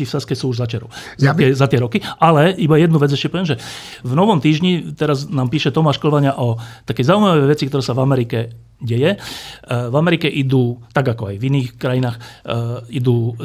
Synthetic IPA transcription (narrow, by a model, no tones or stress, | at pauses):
ifsaskɛsuːuʒzat͡ʃɛɾɔ̰ | zat̪ɪɛzat̪ɪɛɾɔkiʔalɛibajɛd̪nuʋɛd͡zɛʃcɛpɔʋɛmʒɛ | vnɔʋɔmt̪iːʒɲit̪ɛɾaznaːmpiːʃɛt̪ɔmaːʃkl̩ʋaɲɪaʔɔt̪akɛjzaujmaʋɛjʋɛt͡sikt̪ɔɾɛːsavamɛɾikɛ | ɟɛjɛ | vamɛɾikɛʔid̪uːt̪aɡakɔajviniːxkɾajinaːx | id̪uː